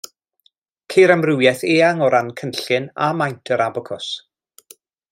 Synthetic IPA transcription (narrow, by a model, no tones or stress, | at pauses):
kʰejɾamrɪwjɛθeːaŋɔɾankʰənɬɨna̰majntʰəɾabɔkʰɔs